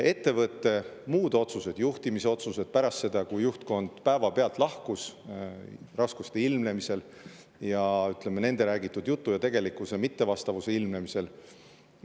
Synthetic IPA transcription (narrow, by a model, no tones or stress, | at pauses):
e̞t̪ːe̞vɤt̪ːˑe̞muːd̪̥o̞t̪suse̞d̪̥juht̪imise̞o̞t̪suse̞d̪̥̚pæɾɑst̪se̞d̪̥ɑkujjuht̪ko̞nd̪̥pæevɑpe̞ɑlt̪ˑlɑhkus | rɑskust̪e̞ilmne̞mise̞l | jɑyt̪le̞mene̞nd̪eɾæːɡ̥it̪ːˑud̪jut̪ːujɑt̪e̞ɡ̥e̞likːusemit̪ːe̞vɑst̪ɑvuse̞ilmne̞mise̞l